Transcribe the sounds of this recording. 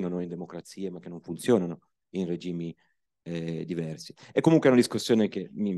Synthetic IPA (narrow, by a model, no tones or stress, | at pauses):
nanoind̪emokɾat̪siːemak̟ːenoɱfunt̪sjoːnano | inred͡ʒiːmi | ɛd̪ivɛrsi̥ɛkːomuŋkweɛunad̪iskusːjoːnekemi